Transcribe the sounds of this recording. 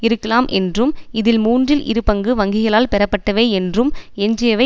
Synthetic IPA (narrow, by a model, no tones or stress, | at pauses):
ɪɾɯkːɐlaːmʔɛ̰ndrɯmɪðɪlmuːndrɪlʔɪ̰ɾɯpɐŋɡɯʋɐŋɡɪɣɐɭaːlpɛɾɐpːɐʈːɐʋeːɛndrɯmɛɲd͡ʒɪjɐʋɐ